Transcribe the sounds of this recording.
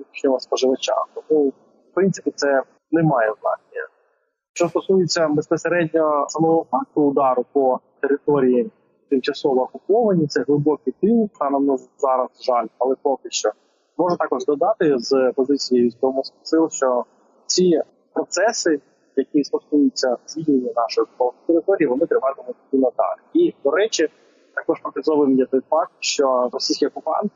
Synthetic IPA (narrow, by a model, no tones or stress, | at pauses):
it͡ʃnʲɔɦɔspɔʒɪʋɐt͡ʃa̰t̪ɔmu | fpɾɪntsɪ̥pʲit̪sɛ | nɛmɑjɛznɑ̰t͡ʃnʲiɐ̰ | ʃt͡ʃɔst̪ɔsujɪt͡sʲːɐbespɔseɾɛdʲnʲɔsɐmɔɦɔfɑk̚t̪ʊːd̪ɑɾʊpɔt̪eɾɪt̪ɔɾʲiji | t̪ɪmt͡ʃɐsɔʋɔɐkʊpɔʋɐnʲit̪sɛɦlˠɪbɔkɪjt̪ɪnkk̪ɑnɐmnɔzzɑɾɐzʒɑlʲɐlˠɛpɔkɪʃt͡ʃɔ | mɔʐʊt̪ɑkɔʒd̪ɔd̪ɑt̪ɪzpɔzɪt͡sʲijejusk̪ɔɔmɛspɐ̥sɪlˠʃt͡ʃɔ | t͡sʲi | pɾɔt̪sɛsɪ | jɐkʲist̪ɔsk̪ujʊt͡sʲːɐzʲʋʲid̪ʲnenʲːɐnɑʃɔjɔkʊpɔʋɪt̪eɾɪt̪ɔɾʲijiʋɔnɪt̪ɾɪʋɑt̪emɔt̪ʲdʲinɐd̪ɑ̰lʲid̪ɔɾɛt͡ʃɪ | t̪ɑkɔʃpɔkɐzɔʋɪmjʲɛt̪ɔjfɑk̚t̪̚ʃt͡ʃɔɾɔsʲijsʲkʲiɔkʊpɑ̰nt̪